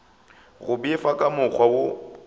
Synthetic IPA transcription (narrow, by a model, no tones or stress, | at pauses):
ɣʊbɪfakʼamʊk͡xwawʊ